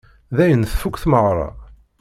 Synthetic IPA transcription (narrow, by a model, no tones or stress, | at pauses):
ðæjənθfukʷːθməʁɾˤɑ̰